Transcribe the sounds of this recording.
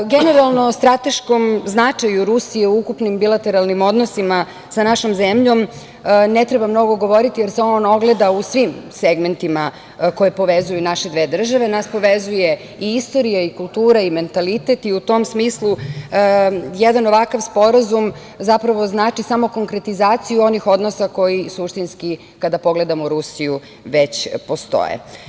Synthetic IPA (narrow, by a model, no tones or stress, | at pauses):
ɡene̞ɾalˠnost̪ɾat̪e̞ʃkomznat͡ʂajuɾusijeuukupnimbilˠat̪e̞ɾalˠnimo̞d̪nosima | sanaʃomzemʎo̞m | net̪ɾebamno̞ɡo̞ɡo̞ʋo̞ɾit̪ijeɾseono̞ɡle̞d̪ausʋimseɡme̞nt̪ima | ko̞jepo̞ʋezujunaʃe̞d̪ʋeːd̪r̩ʒaʋe̞naspo̞ʋezuje | iist̪o̞ɾijaikulˠt̪uːɾaime̞nt̪alit̪et̪iut̪o̞msmiːslˠu | jed̪ano̞ʋakaʋspo̞ɾazum | zapɾaʋo̞znaːt͡ʃisamo̞ko̞ŋkɾe̞t̪izaːt̪sijuo̞nixo̞d̪nosako̞jisuʃt̪inski | kad̪apo̞ɡled̪amoɾusiju | ʋet͡ɕpost̪o̰jḛ